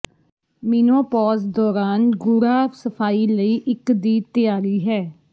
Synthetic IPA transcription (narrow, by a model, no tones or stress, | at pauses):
miːnõːpɔːzd̪ɔːɾaːnɡʊɾaːfsəpʰaːiːləiːʔɪkd̪iːt̪ɪjaːɾiːɦɛː